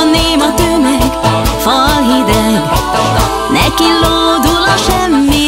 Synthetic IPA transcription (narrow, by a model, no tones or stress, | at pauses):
neːmɒt̪ømɛɡfɒlɦid̪ɛɡ | nɛkiloːd̪ulɒʃɛmːi